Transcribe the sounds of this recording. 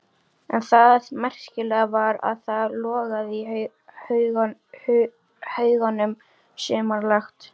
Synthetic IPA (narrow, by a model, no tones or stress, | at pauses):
ɛnθaðmɛr̥scɪlɛːɣavaɾa̰ðθaðlɔːɣaði | hɣ | hœːɥɣanːʏm | sʏːmaɾlaxt̪